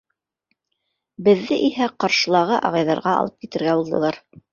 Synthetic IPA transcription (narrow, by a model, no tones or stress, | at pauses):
bɘ̆ðːɘʔihæqɑɾʃɤ̆lˠɑʁɤʔɑ̰ʁɑjðɑɾʁɑɑ̰lˠɤp̚kit̪ɘ̆ɾɡæbulˠd̪ɤ̆lˠɑɾ